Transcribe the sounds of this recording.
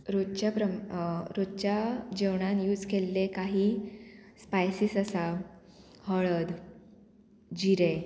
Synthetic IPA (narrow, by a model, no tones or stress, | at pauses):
ɾot͡ɕjapɾəɾod̪t͡ɕjad͡ʑewɳ̃anjuːd͡zkelːekaɦiːspajsisəsa | həɭəd̪ | d͡ʑiɾe